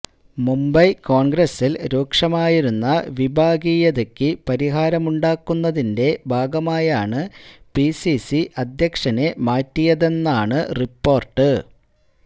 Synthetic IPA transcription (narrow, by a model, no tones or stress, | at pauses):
mumbɐjko̞ːɳɡɾɐsːilɾoːkʂɐmaːjiɾunːɐʋibʱaːɡiːjɐðekːɨpɐɾiɦaːɾɐmuɳɖaːkːunːɐðinde̞bʱaːɡɐmaːjaːɳɨpisisiʔɐd̪ʱjɐkʂɐne̞maːtːijɐðe̞nːaːɳɨripːo̞ːrʈːɨ